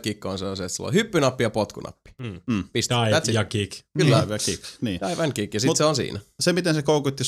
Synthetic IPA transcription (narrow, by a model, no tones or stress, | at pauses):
kikːonseoset̪silːo̰hypːynɑpːijɑpot̪kunɑ̰pːi̥m̩ːpist̪iæt̪sijɑkikkylːæʋjɑkikniːɑiʋɑnkikjɑsit̪seonsḭːnæsemit̪ensekoukut̪ʲːi